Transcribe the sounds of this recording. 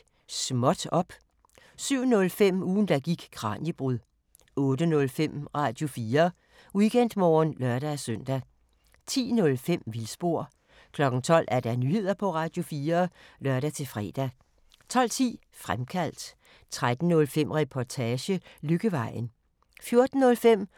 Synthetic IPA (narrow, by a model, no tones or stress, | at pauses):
smɒ̽d̥ɒ̽b̥ | syʊ̰nɔ̽lfem̰uːn̩d̥æɡ̥iɡ̥ɡ̥ʰʁɑ̰̈ːnjəb̥ʁuðˠ | ɔ̽ːd̥ənɔ̽lfem̰ʁɑ̈ːd̥jo̝fiːɐ | uɡ̥en̰d̥mɒːnlɶɐd̥æsøn̰d̥æ | t͡sʰḭːnɔ̽lfem̰ʋilsb̥o̝ɐ̰ | kʰlɒ̽ɡ̥n̩t͡sʰɒ̽l̰æɐd̥ænyhe̝ð̞̰ˠɐpʰɒ̽ʁɑ̈ːd̥jo̝fiːɐlɶɐɾ̥æt͡sʰe̝fʁɛ̰ːd̥æ | t͡sʰɒ̽l̰t͡sʰḭː | fʁamkʰæl̰d̥ | t͡sʰʁad̥n̩ːɔ̽lfem̰ʁɛpʰɒt͡sʰɛːɕəløɡ̥əʋɑ̈ɪ̰n̩ | fjo̝ɐd̥n̩ːɔ̽lfem̰